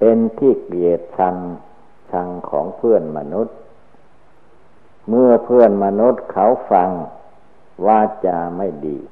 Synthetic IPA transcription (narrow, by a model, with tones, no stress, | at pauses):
pe˧nt̪ʰiː˥˩kli˨˩ə˨˩t̪̚sʰa˧ŋ | sʰa˧ŋkʰɔ̰ː˩˦ŋpʰɯ˥˩ənma˧nu˦˥t̪̚ | mɯ˧˩əpʰɯ˥˩ənma˧nu˦˥t̪̚kʰa˨˩˥wfa˧ŋ | waː˧t͡ɕa˧ma˥˩jdḭː˧˩